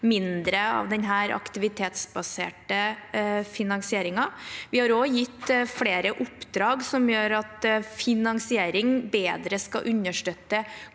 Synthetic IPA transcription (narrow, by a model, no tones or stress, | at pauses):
mɪnd̪ɾəɑ̰ʋd̪ɛnɦæːɾɑ̰kt̪ɪʋɪt̪ʰeːt̪sbɑsḛːʈəfɪnɑŋsɪeːɾɪŋɑʋɪhɑɾoːjɪt̪ːfɽeːɾəʔʊpːd̪ɾɑːɡsɔmjøːɾɑt̪fɪnɑŋsɪeːɾɪŋbeːd̪ɾəskɑ̰ʔʉnːəʂʈøt̪ːə